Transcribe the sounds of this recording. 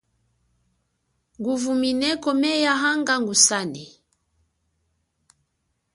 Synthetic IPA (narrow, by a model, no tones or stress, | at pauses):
ŋɡuvuminɛkɔmɛjaɦaŋɡaŋɡusanɛ